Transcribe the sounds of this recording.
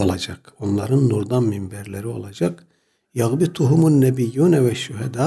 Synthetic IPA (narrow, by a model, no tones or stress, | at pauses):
olˠad͡ʒakonlˠaɾɯnːuɾd̪anmimbɛɾlʲeɾio̞̰lˠad͡ʒak | jɑɣbit̪ʰuɦumunːɛbijːunɛvɛʃuɦɛd̪a